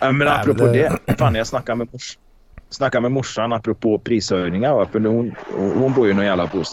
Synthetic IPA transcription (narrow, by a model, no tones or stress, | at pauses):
amɛnapːɾʊpʰoːd̪ɛfaːnajasnakːamɛmʊʂ | snakːamɛmʊʂːanapːɾʊpʰoːpʰɾiːsœjnɪŋaɾvafœnhʊnhʊnbuɾjənɔjæːlabuːst̪